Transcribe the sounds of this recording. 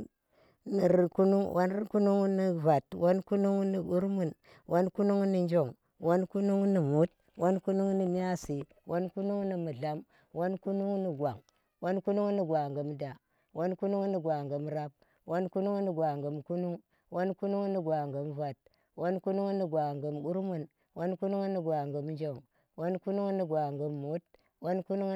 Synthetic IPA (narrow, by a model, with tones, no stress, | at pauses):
ni˨ɾku˦nu˦ŋwʔa˦n˦ku˦nu˦ŋ˦ni˨va˨two˦nku˦nu˦ŋ˦ni˨u˦ɾmu˨n | wʔo˦nku˦nu˦ŋni˦nd͡ʒo˨ŋ | wo˦nku˦nu˦ŋni˨mu˦t̚ | wo˦nku˦nu˦ŋ˦ni˨m˦a˦si˨ | wʔo˦nku˦nu˦ŋ˦ni˨mu˨ɮa˦m | wo˦nku˦nu˦ŋni˨ɡwa˨ŋ | wo˦nku˦nu˦ŋ˦ni˨ɡwa˨ŋɡə˨m˦da˨ | wo˦nku˦nu˦ŋ˦ni˨ɡwa˨ŋɡə˨mɾa˦b̚ | wo˦nku˦nu˦ŋni˨ɡa˨ŋɡə˨mku˦nu˦ŋ | wo˦nku˦nu˦ŋ˦ni˨ɡwa˨ŋɡə˨m˦va˨t̚ | wo˦nku˦nu˦ŋ˦ni˨ɡwa˨ŋɡə˨mɡu˦ɾmu˨n | wo˦nku˦nu˦ŋ˦ni˨ɡwa˨ŋɡə˨m˦nd͡ʒo˨ŋ | wo˦nku˦nu˦ŋni˨ɡwa˨ŋɡə˨mːu˨˦t̚ | wo˦nku˦nu˦ŋ